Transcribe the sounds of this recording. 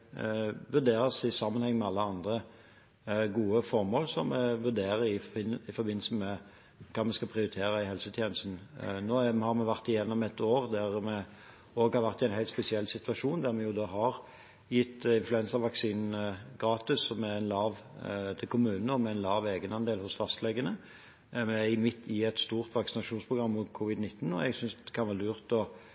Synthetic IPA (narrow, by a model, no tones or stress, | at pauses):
ʋʉʁd̪eːɾəsɪsɑmːənhɛŋːmɛɑlːəɑnd̪ʁə | ɡuːəfɔɾmoːlsɔmɛʋʉɾd̪eːɾəɪnɪfɔbɪnːləsəmɛ | kʰɑːmɛskɑpʰɾɪʊɾɪt̪ʰeːɾəɪhɛlsət̪ʰjeːnəst̪n̩noːhɑɾmɛʋæʁt̪ɪjɛnːɔmɛt̪oːɾd̪æʁmɛ | oːɡhɑɾʋæʁt̪ɪæɪnɦæɪt̪spɛsɪɛlːsɪt̪ʉɑʂuːnd̪æɾmɛjʊd̪oːɦɑɾ | jɪt̪ːɪnflʉɛnsəɾʋɑksiːnnɡɾɑːt̪ɪsːɔmɛænlɑːʋt̪ʰɪlkʰʊmʉːnnəɔmɛæɪnlɑːʋeːɡənɑnd̪eːlhʊsfɑst̪lɛɡənə | mɛɪmɪt̪ʰːɪɛt̪st̪uːʁt̪ʋɑksɪnɑʂuːnspʰʁʊɡʁɑmːʊːt̪kʰʊːʋɪd̪nɪt̪ːn̩ɔ̰ɛɡsʏnsɛkʰɑnʋæːʁlʉːʁt̪ɔ